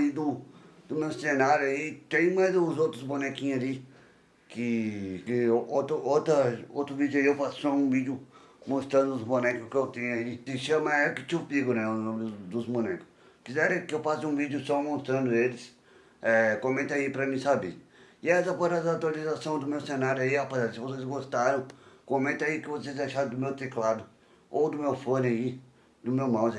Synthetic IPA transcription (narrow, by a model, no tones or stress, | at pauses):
id̪ud̪ʊmesenaɾjait̪ẽj̃majzzot̪ɾʊsbonɛkĩɐli | kɪkiot̪ot̪ɐoːt̪ɾuviːd̪juiewfassɔũvid̪ju | mõst̪ɾɐ̃nd̪ʊusbonɛkʊskewt̪ĩɲɐit̪iʃɐmaɛkɪt͡ʃupiɡʊnɛ̃nomd̪ʊsbunɛkʊ̥s | kizɛɾẽkɪewfasɪũvid͡ʒʊsɔmõst̪ɾɐ̃nd̪ʊelɪs | ɛkõmẽnt̪aipɾɐmĩsabeɪɛsɐpozazawt̪ualizasɐ̃w̃d̪ʊmewsẽnaɾjʊaiapezaɾɪsɪvosezɡost̪aɾɐ̃w̃kõmẽnt̪aikɪvosezaʃaɾ̃d̪ʊmewt̪eklad̪ʊ | owd̪ʊmewfõnɪai | d̪ʊmewmãwz